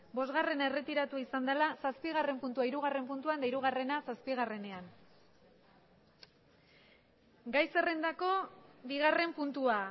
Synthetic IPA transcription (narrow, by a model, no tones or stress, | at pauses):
bo̞zɣare̞naere̞t̪iɾat̪uaisand̪alasaspiɣ̞are̞mpunt̪uaiɾuɣ̞are̞mpunt̪uand̪aiɾuɣ̞are̞nasaspiɣare̞ne̞an | ɡajse̞rend̪ako̞βiɣ̞are̞mpunt̪ua